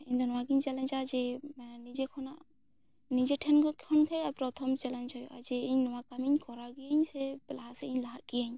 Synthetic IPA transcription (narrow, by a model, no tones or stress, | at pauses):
iɲd̪ɔnɔwaɡiɲt͡ʃalɛɲt͡ʃad͡ʒɛnid͡ʒɛkʰɔnaʔ | nid͡ʒɛʈʰɛnkɔkʰɔnkʰajapɾɔt̪ʰɔmt͡ʃɛlɛnt͡ʃʰajʔa̰d͡ʒɛiɲnɔwakamiɲkɔɾaɡijaɲsɛlaɦasɛiɲlaɦaʔɡijaɲ